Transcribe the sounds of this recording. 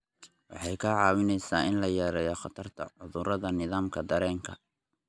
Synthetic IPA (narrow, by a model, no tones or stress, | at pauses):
wɑ̰ħɑjkʰɐʕɑːwɪnɛjsaːɪnlɐjɛːɾɛjɔχɑt̪ʰɐrt̪ʰɐ̰ʕʊðʊɾɐðɐnɪðaːmkʰɐd̪ɐɾɛːŋkʰɐ